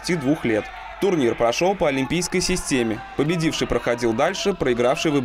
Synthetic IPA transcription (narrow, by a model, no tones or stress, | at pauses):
tʲid̪vuxlʲe̞t̪ | t̪ʊrnʲirpɾɐʂolˠpəɐlʲɪmʲpʲijskəjsʲɪsʲtʲemʲɪpəbʲɪdʲifʂɨjpɾəxɐdʲilˠd̪alʲʂɨpɾəɪɡɾafʂɨjvɨb